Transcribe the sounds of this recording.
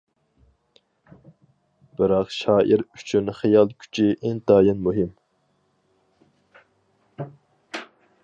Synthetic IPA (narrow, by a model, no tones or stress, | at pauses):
b̥ɨɾɑqʃɑːʔiɾyt͡ʃʰynχejɑlˠkʲʰy̥t͡ʃʰiʔent̪ɑːjinmuɦɪm